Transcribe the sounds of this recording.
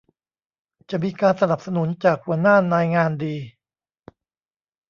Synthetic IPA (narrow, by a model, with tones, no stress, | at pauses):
t͡ɕa˨˩miː˧kaː˧nsa˧na˨˩p̚sa˧nu˨˩˦nt͡ɕaː˨˩k̚hu˨˩˦naː˥˩naː˧jŋaː˧ndiː˧